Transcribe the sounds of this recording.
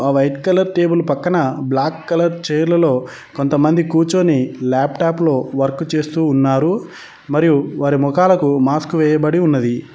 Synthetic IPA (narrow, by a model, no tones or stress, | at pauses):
aːʋɐjʈkɐlɐɾʈe̞ːbulpɐkːɐnɐblaːkːɐlɐɾt͡ʃɛːjɾlɐlo̞ː | kont̪ɐmɐnd̪ikuːt͡ʃo̞ːnilaːpʈaːplo̞ːʋɐɾkːut͡ʃe̞ːst̪uːnːaːɾu | mɐɾijuʋaːɾimɔkaːlɐkumaːskuʋɛːjɐbɐɽiunːɐd̪i